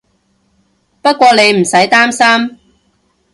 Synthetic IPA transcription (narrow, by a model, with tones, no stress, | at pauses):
pɐ˥t̚kʷɔː˧ne˨˧jm̩˨˩sɐ˨˥jt̪aː˥msaː˥m